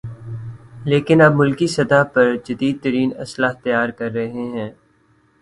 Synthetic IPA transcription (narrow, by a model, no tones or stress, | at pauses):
leːkɪnɐb̚mʊlkisɐd̪apɐɾd͡ʒɐd̪iːd̪̚t̪ɐɾiːnɐ̰slaːɦt̪ɐjaːɾkɐɾːɐɦeɦɛ̃ː